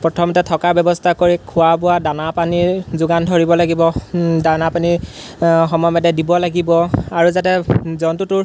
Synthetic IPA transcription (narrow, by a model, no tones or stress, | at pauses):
pɹɔtʰɔmɔtɛtʰɔkabɛbɔstʰakoɹikʰʊwapʊwadanapanizʊɡandʱoɹibɔlaɡibɔdanapani | xɔmɔjɔmɛdɛdibɔlaɡibɔaɹuzatɛzɔntutʊɹ